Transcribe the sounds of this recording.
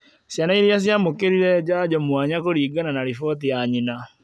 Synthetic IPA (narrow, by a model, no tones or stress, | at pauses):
sjanaiɾias̬jamokeɾiɾɛd͡ʒad͡ʒɔmwaɲakoɾiːɡananaɾifɔt̬ijaɲina